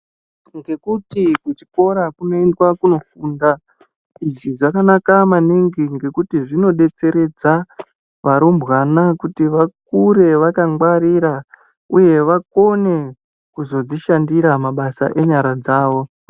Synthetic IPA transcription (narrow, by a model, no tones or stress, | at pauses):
ŋɡe̞kutikut͡ʃi̥ko̞ɾakuno̞endwakuno̞fuːnda | iʐiʐakanakamaniŋɡiŋɡe̞kutiʐino̞ɗe̞t͡se̞ɾe̞d͡za | ʋaɾombɣanakutiʋak̚uɾe̞ʋakaŋɡwaɾiɾa | uje̞ʋako̞ne̞ | kuzo̞d͡ziʃandiɾamaɓasa̰ʔe̞ɲaɾad͡zaːʋo̞